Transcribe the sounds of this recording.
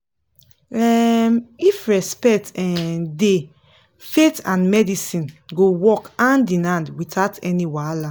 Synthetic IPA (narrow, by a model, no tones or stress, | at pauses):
ɛmifɹɛspɛk̚tɛde | fetãnmɛdisĩnɡowɔkãndinãndwitaʊtɛniwala